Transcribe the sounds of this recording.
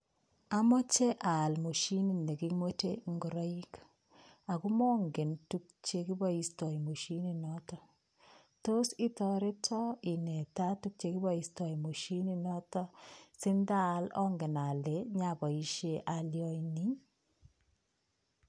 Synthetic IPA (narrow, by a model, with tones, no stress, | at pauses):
a˦mɔ˦t͡ʃe˦ʔa˨lmo˨ʃi˦ni˨ne˨ki˦mwo˦te˦ŋɡo˨ɾɔ˦i˦k | a˨ku˦mɔ˦ŋɡe˨ntu˦k̚t͡ʃe˦ki˦bɔ˦i˨stɔ˨jmo˨ʃi˦ni˦nɔ˦tɔ˦ | to˦si˦tɔ˨ɾe˦tʰɔ˦i˨ne˨ta˦tu˦k̚t͡ʃe˨ki˦bɔ˦i˨stɔ˨i˨mo˨ʃi˦ni˦nɔ˦tɔ˦sɪ˦nda˦lɔ̰˦ŋɡe˨na˨le˨˦ɲa˨bɔ˨i˨ʃe˦ʔa˨ljɔ˦ini˦